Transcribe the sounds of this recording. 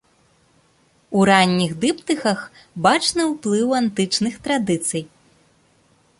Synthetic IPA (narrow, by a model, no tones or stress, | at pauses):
uɾanʲːiɣd̪ɨpt̪ɨxɐx | bat͡ʂnɨwplˠɨwant̪ɨt͡ʂnɨxt̪ɾad̪ɨt̪sɨj